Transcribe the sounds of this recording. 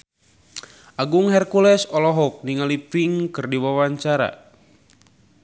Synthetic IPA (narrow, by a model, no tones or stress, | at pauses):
ʔaɡuŋɦɛrkulɛsɔlɔɦɔk̚niŋalipiŋkɨrdiwawaɲt͡ʃaɾa̰